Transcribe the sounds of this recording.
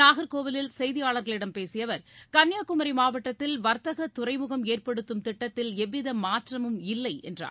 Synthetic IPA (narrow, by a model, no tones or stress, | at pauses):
naːɣɐɾkoːʋɪlɪlsɛjðɪjaːɭɐɾɣɐɭɪɽɐmpeːsɪjɐʋɐɾkɐnjaːkʊmɐɾimaːʋɐʈːɐt̪ːɪlʋɐɾt̪ɐɣɐt̪ːʊrɐɪmʊɣɐmeːrpɐɽɯt̪ːɯmt̪ɪʈːɐt̪ːɪlɛʋːɪðɐmaːʈrɐmɯmɪlːɐɪɛ̰ndra̰ː